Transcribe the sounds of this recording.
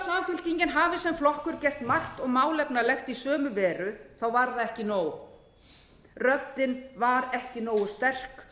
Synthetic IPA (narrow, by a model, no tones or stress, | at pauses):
saːmfʏl̥ciɲcɪnɦaːvɪsɛmflɔhkʏɾ̥cɛr̥t̪mar̥t̪ɔɣmaːwlɛpnalɛxt̪isœːmʏvɛːɾʏθawvaɾðaɛhcɪnoːw | rœpt̪ːɪnvaɾɛhcɪnoːwʏst̪ɛr̥k